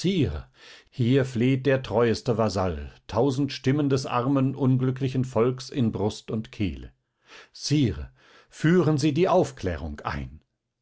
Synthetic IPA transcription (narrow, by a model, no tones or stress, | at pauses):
siːʁə̰hiːɐfleːt̚d̥eːɐtʁ̥ɔʏəstəvazaltʰaʊzn̩tʃtɪməndɛsʔa̰ʁɐmənʔʊnɡlʏklɪçn̩fɔlksɪnbʁʊstʊntkʰḛːlə̰ | t͡siːʁə̰ | fyːʁənziːdiːʔaʊfkʰlɛ̰ːʁ̞ʊ̰ŋkʔa̰ɪn